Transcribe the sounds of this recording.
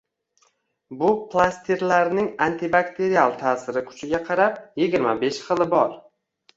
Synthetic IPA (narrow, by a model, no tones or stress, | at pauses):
bʊplˠast̪ʰiɾlaɾnɪŋant̪ʰɪbakt̪ʰe̞ɾialˠt̪ʰaːsɪɾɪkʰʊ̥t͡ʃʰɪɡʲaqʰɑɾap̚jeɡʲɪɾma̰be̞ʃχɨlˠɪbɒɾ